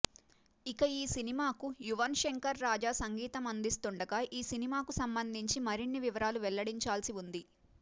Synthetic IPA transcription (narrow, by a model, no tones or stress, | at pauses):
ikɐiːsinimaːkujuʋɐnʃeŋkɐɾːaːd͡ʒaːsɐŋɡiːt̪ɐmɐnd̪ist̪uɳɖɐɡaʔiːsinimaːkusɐmbɐnd̪ʱiɲt͡ʃimɐɾiɳːiʋiʋɐɾaːluʋɛɭːɐɽiɲt͡ʃaːlsiund̪i